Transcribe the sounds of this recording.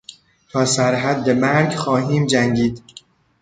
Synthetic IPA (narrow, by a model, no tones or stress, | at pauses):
t̪ʰɒːsæɾɦæd̪ːemæɾɡxɒːɦiːmd͡ʒæŋɟiːd̪